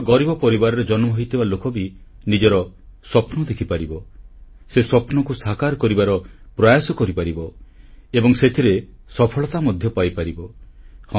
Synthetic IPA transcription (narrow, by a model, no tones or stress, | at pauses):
ɡɔɾibɔpɔɾibaɾɔɾed͡ʒɔnmɔɦojt̪ibalokɔbi | nid͡ʒɔɾɔsɔpnɔd̪ekʰipaɾibɔ | sesɔpnɔkusakaɾkɔɾibaɾɔpɾɔjasɔkɔɾipaɾibɔebɔŋset̪ʰiɾesɔpʰɔɭɔt̪amɔd̪ʱjɔpajpaɾibɔh